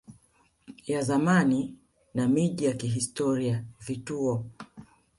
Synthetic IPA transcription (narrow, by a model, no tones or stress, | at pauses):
jazamani | namiʄijakiɦistɔɾiavituɔ